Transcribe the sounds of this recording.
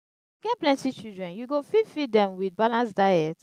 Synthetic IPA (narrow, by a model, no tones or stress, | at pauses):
ɡ̥ɛt̚plɛ̃ntit͡ʃidɹɛ̃njuɡofidfit̚dɛ̃mwid̚balãnsdaɛt